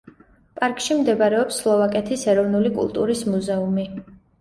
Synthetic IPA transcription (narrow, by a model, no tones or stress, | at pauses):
pʼaɾkʼʃimd̪ɛbɾɛɔpslˠɔvakʼɛt̪ʰisɛɾɔvnulikʼṵlˠt̪ʼṵɾismuzɛumi